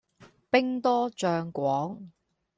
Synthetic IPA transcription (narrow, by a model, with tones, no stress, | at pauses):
pɪ˥ŋt̪ɔː˥t͡ʃœː˧ŋkʷɔː˨˥ŋ